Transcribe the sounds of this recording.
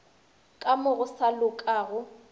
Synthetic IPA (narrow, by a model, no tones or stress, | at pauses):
kʼamʊɣʊsalʊkʼaːɣʊ